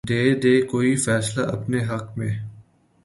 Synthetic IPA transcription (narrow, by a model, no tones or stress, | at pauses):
d̪eːd̪eːkoːifɛːslaʔɐpneɦɐqmẽː